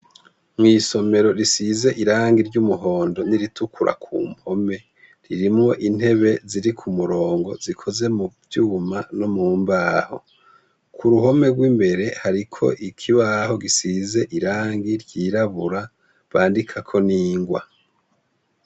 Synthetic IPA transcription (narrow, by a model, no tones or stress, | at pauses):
mŋiːso̞me̞ɾo̞ɾisize̞ʔiɾaːŋɡiɾɟumuɦo̞ːndo̞niɾitukʰuɾʔa̰kʰṵːmho̞me̞ | ɾiɾimŋo̞ʔin̥he̞βe̞ziɾikʰumuɾo̞ːŋɡo̞zikʰo̞ze̞muvjuːmano̞muːmbaːho̞̰ | kʰuɾuho̞me̞ɡwiːmbe̞ɾe̞haɾikʰo̞̰ʔikʰiβaho̞ɡisize̞ʔiɾaːŋɡiɾɟiːɾaβuɾa | βaːndikʰakʰo̞niːŋɡwa̰